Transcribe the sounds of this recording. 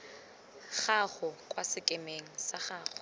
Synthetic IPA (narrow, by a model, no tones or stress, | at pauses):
χaχʊkʼwasɪkʼɪmeŋ̩saχaːχʊ